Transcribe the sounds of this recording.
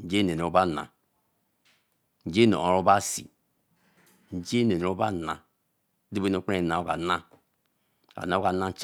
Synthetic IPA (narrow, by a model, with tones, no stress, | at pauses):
n̩˦d͡ʒe˦ne˨n˨o˦ba˦˨na̰˨ | n̩˦d͡ʒe˦no̰˨o˨ɾo˦ba˦˨sḭ˨ | n̩˦d͡ʒe˦ne˨o˦ba˦˨na˨˦ | di˦be˦no˨˦˨k͡pe˦˨na˨o˦ka˨nã˦ | a̰˨na˨˦ka˨˦nã˦n˦t͡ʃ